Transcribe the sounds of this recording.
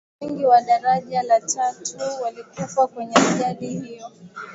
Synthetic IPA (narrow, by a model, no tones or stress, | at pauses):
ɛŋɡiwaɗaɾaʄalatʰatuwalikufakwɛɲɛaʄalihijɔ